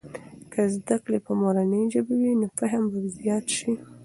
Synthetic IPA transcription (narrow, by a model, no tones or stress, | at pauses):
kʰəzd̪aklepəmoɾanəjʒəbawinofaɦəmbad̪zjɑt̪ʃi